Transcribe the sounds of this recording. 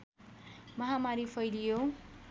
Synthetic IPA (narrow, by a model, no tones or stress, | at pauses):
mʌɦamaɾifʰʌjlijo